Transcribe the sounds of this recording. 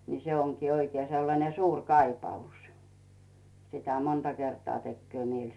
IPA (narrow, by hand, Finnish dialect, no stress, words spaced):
ni se oŋkiː oikie selːɑne suːrʲ kɑipɑus sitæ montɑ kertŏɑ tekːŭø mielʲ